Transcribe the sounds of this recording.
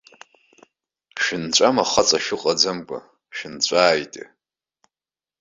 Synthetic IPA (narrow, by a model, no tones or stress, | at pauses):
ʃɪnt͡ɕʷʼamaχat͡sʼaʃʊqʼad͡zamkʷʼa̰ | ʃᶣɪnt͡ɕʷʼaːjtʼ